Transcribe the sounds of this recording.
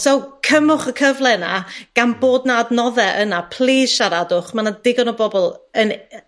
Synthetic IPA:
sowkʰəmʊχəkʰəvlˠɛnaɡ̥anboːdnadnɔðɛʔənapʰlˠeːʃaɾadʊχmanadɪɡɔnɔbɔbɔlˠən

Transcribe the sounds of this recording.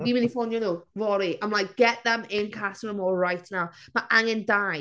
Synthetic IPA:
imɪnifɔnjənovɔɾiãɪ̃mlaɪk̚ɡ̥ɛʔðə̃mɪ̃nkʰastəməmɔːlˠɹaɪʔnaʊ | maʔãŋə̃ndaɪ

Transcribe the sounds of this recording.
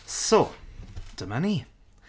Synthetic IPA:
so | d̥əmani

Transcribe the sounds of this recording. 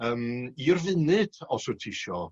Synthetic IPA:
əːmirvɪnɨd̥ɔsʊtʰɪʃɔ

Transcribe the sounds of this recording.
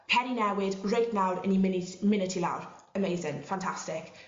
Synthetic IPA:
pʰɛninɛwɪdɹejtnawɾə̰nimɪmɪnɪtʰila̰wr | əmeɪzɪ̃ŋfãntʰastɪk

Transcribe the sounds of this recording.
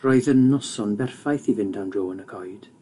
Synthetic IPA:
rɔɨðənːɔsɔnbɛrfajθivɪndandroːənəkʰɔjd̥

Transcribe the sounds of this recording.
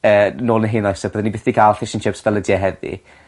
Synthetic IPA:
əːnoːlnəɦenɔjsəb̥əðənibɪθd̥iɡalˠɬɪʃənʃɪpsvɛlˠədiɛɦɛðḭ

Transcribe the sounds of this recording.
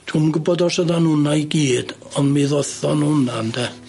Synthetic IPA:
tʰumɡubɔdɔsɔðanunaiɡiːd̥ | ɔnmiðɔθɔnunand̥̪ɛ

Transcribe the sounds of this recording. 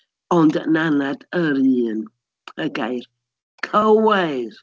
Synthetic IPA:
ɔndə̰nanadəɾiːn | əɡajr | kʰəwar

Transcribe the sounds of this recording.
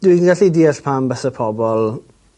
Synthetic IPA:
d̥winɡaɬidiəɬpʰambəsəpʰɔbɔlˠ

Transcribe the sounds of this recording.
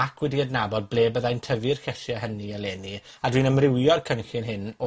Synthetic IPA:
akʰwɛdiədnabɔd̚blˠeːbəðajntʰəvɨrxɛsjaɦəniəleːni | adwiːnəmrɪwjɔrkʰənɬɪnɦɪnɔ

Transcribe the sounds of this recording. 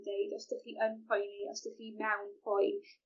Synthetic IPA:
dejdɔsd̥ɪχiʔənpʰɔjniɔsd̥ɪχiːmɛwnpʰɔjn

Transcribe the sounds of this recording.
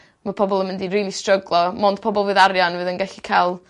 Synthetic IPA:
mapʰɔbɔlˠəmɪndiriːlˠistrəɡlˠɔmɔnd̥pʰɔbɔlˠvɨːðaɾjanvɨːðənɡɛɬikʰajlˠ

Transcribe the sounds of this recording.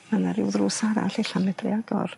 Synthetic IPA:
manaɾɪwðruːsaɾa̰ɬiɬanɛdrɪ̰aɡɔ̰r

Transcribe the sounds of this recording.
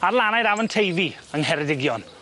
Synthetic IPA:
arlˠanajɾavəntʰejvi | əŋɦɛɾɛdɪɡjɔn

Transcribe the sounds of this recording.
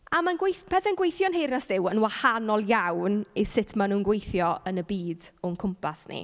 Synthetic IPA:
amanɡwejθb̥ɛðɛnɡwejθjɔnɦejrnasd̥ɪwənwahanɔlˠjawnisɪtʰmanuːnɡwejθjɔənəbiːdɔənkʰʊmpʰasnḭ

